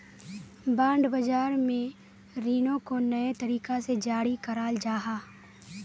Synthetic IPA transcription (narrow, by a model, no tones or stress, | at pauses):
bãːɳɖbɐd͡ʒaːɾmẽ | ɾiːnõkonɐet̪ɐɾiːkased͡ʒaːɽikɐɾaːld͡ʒaːɦaː